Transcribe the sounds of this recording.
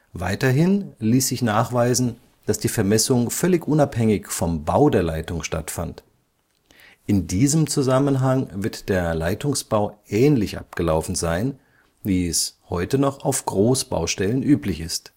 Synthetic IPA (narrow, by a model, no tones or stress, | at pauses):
vaɪtɐɦɪnliːsz̥ɪçnaːχv̥aɪzn̩ | d̥asd̥iːfɛɐmɛsʊŋfœlɪçʔʊnaphɛŋɪçfɔmbaʊdeːɐlaɪtʊŋʃta̰tfa̰nt | ʔɪndiːzəmt͡suzamənɦaŋvɪɐtd̥eːɐlaɪtʊŋsb̥aʊʔɛːnlɪçʔa̰p̚ɡ̥əlaʊfn̩zaɪn | viːɛshɔʏtənɔχaʊfɡ̥ʁoːsb̥a̰ʊʃtɛlənʔyːplɪçɪst